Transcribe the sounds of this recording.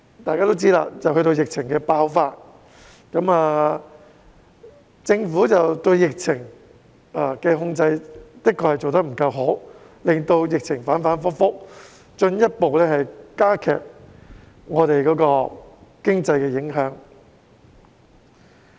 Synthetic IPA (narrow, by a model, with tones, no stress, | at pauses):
t̪aː˨jkaː˥t̪o˥wt͡siː˥la̰ː˧t͡sɐ˨˩whɦɵ˧jɾo˧wjɪ˨k̚t͡sʰɪ˨˩ŋkɛː˧paː˧wfaː˧t̚ | kɐ˨˥maː˨ | t͡sɪ˧ŋfuː˨˥t͡sɐ˨wt̪ɵ˧ɥjɪ˨k̚t͡sʰɪ˨˩ŋ | a˨kɛː˧ɦʊ˧ŋt͡sɐ˧jt̪ɪ˥kːɔː˨˩hɐ˨˩jt͡so˨wt̪ɐ˥k̚m̩˨˩kɐ˧wɦo˨˥w | lɪ˨ŋt̪o˧wjɪ˨k̚t͡sʰɪ˨˩ŋfaː˨˥nfaː˨˥nfʊ˥k̚fʊ˥k̚ | t͡ʃɵ˧njɐ˥t̚po˨wlɛː˥hɐ˨jkaː˥kʰɛ̰ː˨˩p̚ | ŋɔː˨˧t̪e˨jkɔː˨˥kɔː˧kɪ˥ŋt͡sɐ˧jkɛː˧jɪ˨˥ŋɦœː˨˥ŋ